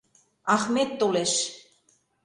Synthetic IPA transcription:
ɑxmet̪ːoleʃ

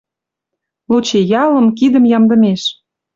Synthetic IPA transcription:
lut͡ɕejɑlə̆mkid̪əmjɑmd̪ə̆meʃ

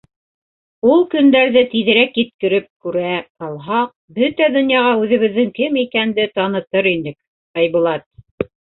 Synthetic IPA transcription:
ulˠkɵ̆nd̪æɾðɘt̪iðɘ̆ɾækjɘ̆t̪̚kɘ̆ɾɘp̚kʉɾæt̪ɑlˠɦɑq̚bɵt̪æd̪ŏnjɑʁɑʉðɘ̆βɘ̆ðːɘŋkɘmikænd̪ɘt̪ɑnɤ̆t̪ɤɾind̪ɘk | ɑjβŭlˠɑt̪̚

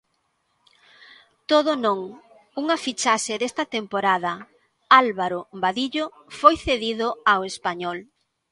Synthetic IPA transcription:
t̪oðonõŋ | uŋafit͡ʃaʃeðest̪ɐt̪empoɾaðɐ | alβaɾobaðiʎo | fojθeðiðoawespaɲɔl

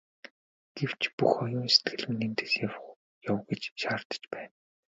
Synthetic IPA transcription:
ɡ̥ew̥t͡ɕʰpuxɔjʊːnse̥t̪ɡɘ̆ɮminiːnt̪e̥ːsjaw | jawɡĕt͡ɕʃaːrt̪ə̥̆t͡ɕpæːn

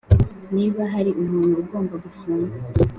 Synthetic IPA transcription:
niːβaɦaɾiʔumuːnɡuɡo̞ːmbaɡufunɡa

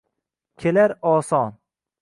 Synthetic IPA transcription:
kʲʰelaɾɒːsɒn

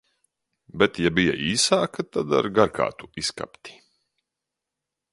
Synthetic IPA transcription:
bɛt̪jabija̰iːsaːkat̪ad̪a̰ɾɡaɾkʰa̰ːt̪u̥iska̰pt̪i̥

